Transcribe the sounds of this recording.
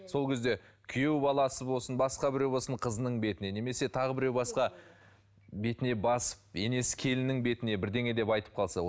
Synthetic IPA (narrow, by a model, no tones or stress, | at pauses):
so̞lˠkʲʰe̞zd̪e̞kʲʰʏje̞wbɑlˠɑsəbo̞lˠsənbɑsqɑbɪɾewbo̞lsəɴqʰəzənəɴbe̞t̪ɪne̞ne̞me̞se̞t̪ʰɑʁəbɪɾewbɑsqɑ | be̞t̪ɪne̞bɑsə̥p̚e̞ne̞sɪ̥kʲʰe̞lɪnɪŋbe̞t̪ɪne̞bɪɾd̪e̞ŋe̞d̪e̞pɑjt̪ə̥p̚qʰɑlˠsɑ